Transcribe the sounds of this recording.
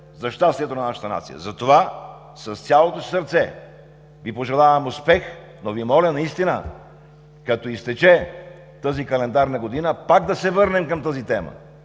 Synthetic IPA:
zɐʃt̪ast̪ijɛt̪onɐnaʃə̥t̪əna̰t̪sḭjə̰zɐt̪ova | sɐst̪ʲalˠot̪osi̥səɾt̪sɛ | vipoʒɛlˠavɐmʊspɛx | novimɔlʲənɐist̪inə̰ | kɐt̪ɔist̪ɛt͡ʃɛ | t̪əzikɐlɛnd̪aɾnɐɡod̪inəpaɡd̪ɐsɛvɤɾnɛmkɐmt̪əzit̪ɛmə̰

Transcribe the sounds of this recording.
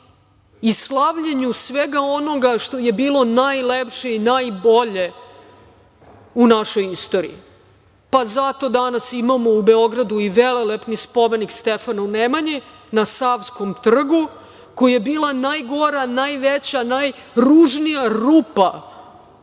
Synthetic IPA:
islˠaʋʎeɲusʋeɡao̞no̞ɡaʂt̪o̞jebiːlo̞najlepʂeinajbo̞ʎe̞ | unaʃo̞jist̪o̞ɾḭi | pazat̪o̞d̪anasimamo̞ubeo̞ɡɾad̪uiʋelelepnispome̞nikst̪efanaunemaɲinasafsko̞mt̪r̩ɡu | kojajebiːlˠanajɡo̞ɾanajʋet͡ɕanajɾuʐnijaɾuːpa

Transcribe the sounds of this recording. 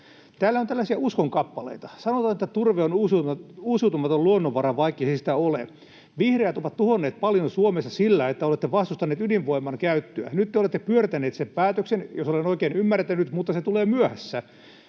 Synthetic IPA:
t̪æːlːæont̪ælːæsiæuskoŋkɑpːɑlḛit̪ɑsɑnot̪ɑːnet̪ːæt̪urʋeonuːsuuːsut̪umɑt̪oluonːoʋʋɑɾɑʋʋɑikːesesit̪æolḛ | ʋihrejæt̪oʋɑt̪t̪uhonːeːt̪̚pɑljonsuomesːɑsilːæet̪ːæolet̪ːeʋɑst̪ust̪ɑnːeːt̪ydiʋʋoimːˑɑŋkæyt̪ːøæ̰nyt̪ːeolet̪ːepyørt̪æneːt̪sempæːt̪øksenjosolenoikeːnymːært̪ænyt̪mut̪ːɑset̪uleːmyøhæsːæ

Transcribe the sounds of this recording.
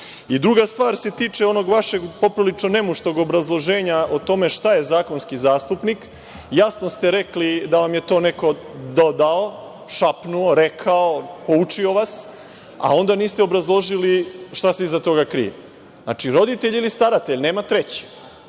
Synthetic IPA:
id̪ɾuɡast̪ʋaːɾse̞t̪iːt͡ʂeo̞no̞ɡʋaʃe̞ɡpo̞pɾolit͡ʃnone̞muʃt̪o̞ɡobɾazlˠo̞ʒe̞ːɲaot̪o̞me̞ʃt̪aje̞zaːko̞nskizaːst̪upnik | jasno̞st̪eɾe̞klid̪aʋamjet̪o̞ːneko̞d̪o̞d̪ao | ʃapnuoɾekʰaopo̞ut͡ʂio̞ʋas | a̰o̞nd̪aniːst̪eobɾazlˠo̞ʒiliʃt̪aseizat̪o̞ɡakɾḭjḛ | zna̰t͡ʃiɾo̞d̪it̪eʎilist̪aɾat̪eʎne̞ːmat̪ɾe̞t͡ɕi̥

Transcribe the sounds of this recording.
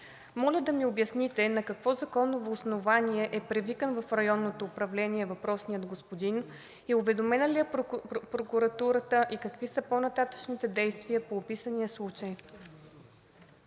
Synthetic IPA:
mɔlʲəd̪ɐmiobjɐsnit̪ɛnɐkɐkvɔzɐkɔnːovoːsnovaniɛʔɛpɾɛvikənvɐfɾɐjɔnːot̪oːpɾɐvlɛnʲiɛvɐpɾɔsniəd̪ɡospod̪in | iʊvɛd̪omɛnəlijəpɾokuɾɐt̪uɾət̪əʔikɐkvisəponɐt̪at̪ə̥ʃnit̪ɛd̪ɛjst̪vijəpoːpisənijəslˠut͡ʃəj

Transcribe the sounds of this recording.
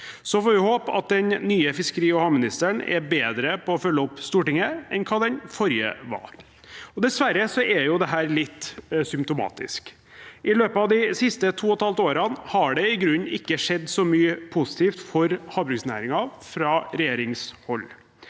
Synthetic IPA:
sɔfoːʋɪhoːpɑ̰t̪̚d̪ɛnːyːəfɪskəɾiːɔhɑːmɪnɪst̪əɳɛ̰ɾbeːd̪ɾəpʰɔːfœlːəɔpst̪uːʈɪŋəɛnkʰɑːd̪ɛnfɔɾjə̰ʋɑ̰ | ɔd̪ɛsʋæɾːəsɔʔɛɾjʊd̪ɛɦæːɾlɪt̪ːsʏmpt̪ʊmɑ̰ːt̪ɪ̰sk | ʔɪløːpɑːʋd̪ɪsɪst̪ət̪ʰuːɔt̪ʰɑlt̪oːɾɑnhɑɖɛɪɡɾʉnːɪkːəʂɛd̪ːsɔmyːəpʰʊsɪ̥t̪ʰiːft̪fɔɾhɑːbɾʉksnæ̰ːɾɪŋɑfɾɑːɾɛjeːɾɪŋshɔlː

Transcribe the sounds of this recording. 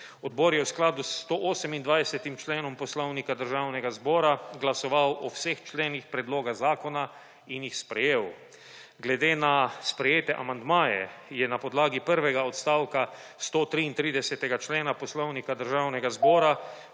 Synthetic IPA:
ɔd̪bɔːɾjɛwsklaːd̪ust̪oʔoːsɛmind̪ʋajsɛt̪imt͡ʃleːnɔmpɔslɔwnikad̪əɾʒaːwnɛɡazbɔːɾaɡlasɔʋawʔɔwseːxt͡ʃleːnixpɾɛd̪loːɡazaːkɔna | injixspɾɛjeːw | ɡlɛd̪eːnaspɾɛjeːt̪ɛʔamand̪maːjɛjɛnapɔd̪laːɡipəɾʋɛɡaɔt̪st̪aːwka | st̪ot̪ɾiːnt̪ɾiːd̪ɛsɛt̪ɛɡat͡ʃleːnapɔslownikad̪əɾʒaːwnɛɡazbɔːɾa

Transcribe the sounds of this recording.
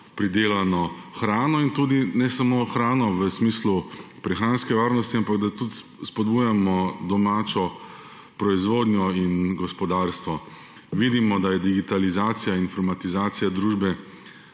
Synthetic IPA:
pɾid̪eːlanɔxɾaːnɔint̪ud̪inɛsamoːxɾaːnɔʋəsmiːslupɾɛxanskɛʋaːɾnɔst̪iampaɡd̪at̪ut̪ | spɔd̪buːjamɔd̪ɔmaːt͡ʃɔ | pɾɔizʋoːd̪nʲjɔinɡɔspɔd̪aɾst̪ʋɔ | ʋid̪imɔd̪ajɛd̪iɡit̪alizaːt̪sijainfɔɾmat̪izaːt̪sijad̪ɾuːʒbɛ

